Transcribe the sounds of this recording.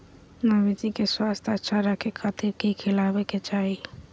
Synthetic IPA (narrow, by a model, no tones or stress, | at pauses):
nabid͡ʒikeswast̪ʰat͡ʃaɾakekʰat̪ɪɾkikʰɪlabeket͡ʃaːɦi